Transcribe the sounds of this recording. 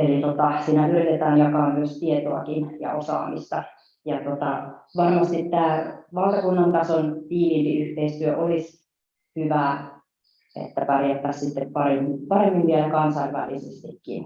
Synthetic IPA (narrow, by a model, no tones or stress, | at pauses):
elit̪ot̪ɑsiːnæyrit̪et̪æːnjɑkɑːmmyøst̪iet̪oɑ̰kinjɑ̰osɑ̰ːmḭst̪ɑ | jɑt̪ot̪ɑʋɑrmɑst̪it̪tæːʋɑlt̪ɑkunːɑnt̪ɑsont̪iːʋimpiyht̪eist̪yøʔolis | hyʋæ | ʔḛt̪ːæpɑrijɑt̪ːɑssit̪ːeppɑrempɑremːinʋielækɑnsɑiʋʋæ̰lːisest̪ikːḭn